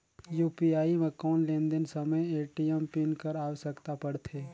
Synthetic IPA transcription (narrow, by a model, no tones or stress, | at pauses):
juːpiaːimẽkɔːnlẽːnd̪ənsəməjeːʈijəmpinkəɾaːwəʃəkt̪apəɽt̪ʰeː